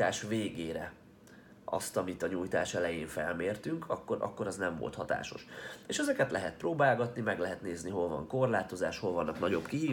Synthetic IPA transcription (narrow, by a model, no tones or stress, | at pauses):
aːʃveːɡeːɾɛ | ʔɒ̰st̪ɒmit̪ɒɲuːjt̪a̰ːʃɛlɛjeːɱfɛlmeːrt̪yŋkʰɒkːoɾʔɒ̰kːo̞ɾɒznɛɱvo̰lt̪hɒt̪a̰ːʃo̞ʃeːʃɛzɛkɛt̪lʔɛɦɛt̪̚proːbaːlɡɒt̪nimɛɡlɛɦɛt̪neːzniɦo̞lvɒ̰ŋko̞rlaːt̪o̞zaːʃho̞lvɒnːɒknɒɟo̞bkiɦiː